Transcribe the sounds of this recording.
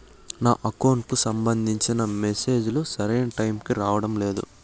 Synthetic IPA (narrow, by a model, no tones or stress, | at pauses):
naːʔɐkoːnkusɐmbɐnd̪ʱiɲt͡ʃinɐmese̞ːd͡ʒulusɐɾeːnʈɐjmkiɾaːʋɐɽɐmle̞ːd̪ṵ